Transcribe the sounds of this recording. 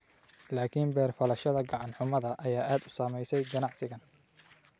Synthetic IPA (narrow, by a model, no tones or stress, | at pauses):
laːkʰinbɛːrfɐlɐʃɐðɐɡɑʕɑnħʊmɐðɐʔɐjaːʔaːd̪ʊsaːmɛjsɛjɡɐnɑʕsɪɣɐn